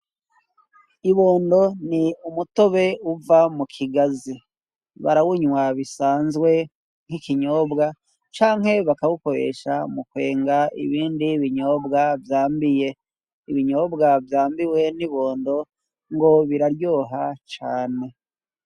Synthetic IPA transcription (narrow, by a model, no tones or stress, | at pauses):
iβoːndo̞niumuto̞βe̞uvamukʰiɡazi | βa̰ɾawuɲwaβisaːnzɡwe̞ | ŋ̥hikiɲo̞ːbɡa | t͡ʃaːŋɦhe̞βakaβuko̞ɾe̞̰ʃamukwe̞ːŋɡaḭβiːndiβiɲo̞ːbɡavjaːmbije̞ | iβiɲo̞ːbɡavjaːmbiwe̞niβo̞ːndo̞ | ŋɡo̞βiɾaɾjo̞ːɦat͡ʃaːne̞